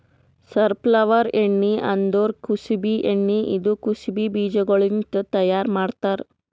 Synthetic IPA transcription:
sɐɾplɐʋɐɾeɳːiɐnd̪oːɾkusibiʔeɳːiʔid̪ukusibibiːd͡ʒɐɡɐɭint̪ut̪ɐjaːɾmaːɽt̪aːɾ

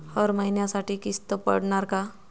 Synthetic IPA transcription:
ɔːɾmɐɦinjasaːʈikist̪opɐ̰ɽnaɾka

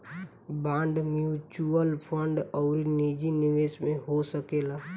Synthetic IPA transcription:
bãːɳɖmjuːt͡ʃuəlpʰə̃ɳɖɔːɾinid͡ʒinɪʋeːsmẽɦosəkeːlaː

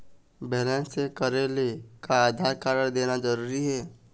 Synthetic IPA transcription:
beːlɛ̃sekəɾelekaaːd̪ʱaːɾkaɾəɽ̃d̪eːnad͡ʒəɾuːɾiɦɛː

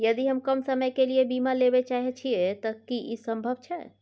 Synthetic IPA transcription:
jəd̪iɦəmkəmsəməjkeliebimalebet͡ʃaɦɛt͡ʃʰiet̪əkiʔisəmbʱəbt͡ʃʰɛ

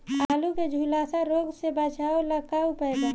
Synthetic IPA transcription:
aluked͡ʒʱulaːsaɾoɡsebət͡ʃaoləkaupəeɡa

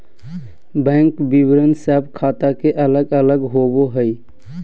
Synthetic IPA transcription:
bɛ̃ːŋkbibɾənsɛb̚kʰaːt̪akeʔələɡələɡɦoboɦəj

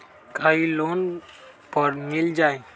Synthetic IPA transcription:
kaːiloːn | pəɾmɪld͡ʒaːe

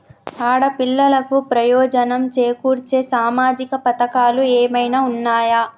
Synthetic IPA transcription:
aːɽɐpilːɐlɐkupɾɐjɔːd͡ʒɐnɐmt͡ʃeːkuːɾt͡ʃeːsaːmaːd͡ʒikɐpɐt̪ɐkaːlueːmɐjnaːunːaːjaː

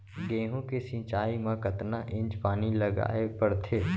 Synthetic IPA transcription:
ɡẽːɦõkesĩːt͡ʃaːimãkət̪naʔɪ̃ɲd͡ʒpaːnilɐɡa̰ːepɐɽt̪ʰeː

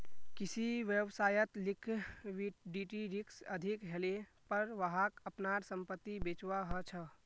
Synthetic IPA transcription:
kisiʋjəwsaːjət̪likʰiɖiʈiɾiksəd̪ʱikɦele | pəɾʋəɦakəpnaɾsəmpət̪ːibet͡ʃʋaɦət͡ʃʰə

